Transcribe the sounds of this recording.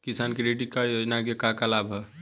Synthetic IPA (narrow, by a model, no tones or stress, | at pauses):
kisankeɾeʈikaonak̬ekakalabʱɦɛ